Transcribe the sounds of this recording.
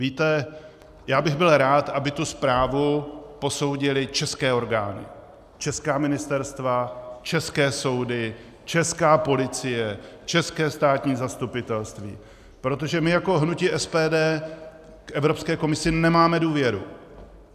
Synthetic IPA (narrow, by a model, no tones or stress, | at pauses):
viːt̪ɛ | jaːbɪɣbɪlɾaːt̪ʔabɪt̪uspɾaːvupo̞so̞wɟɪlɪt͡ʃɛskɛːo̞ɾɡaːnɪ̰ | t͡ʃɛskaːmɪnɪst̪ɛɾst̪vat͡ʃɛskɛːso̞wdɪ | t͡ʃɛskaːpo̞lɪt͡sɪjɛ | t͡ʃɛskɛːst̪aːt̪ɲiːzast̪upɪt̪ɛlst̪vḭː | pɾo̞t̪̬o̞ʒɛmɪjako̞ɦnuciʔɛspɛːdɛː | kʔɛvɾo̞pskɛːko̞mɪsɪnɛmaːmɛduːvjɛɾṵ